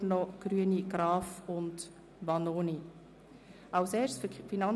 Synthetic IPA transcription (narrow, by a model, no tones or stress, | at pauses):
nɔɡ̥ɾyəniɡ̥ɾɑːfʊnt | bɑnoːni | ɑʊseːɾsffinɑn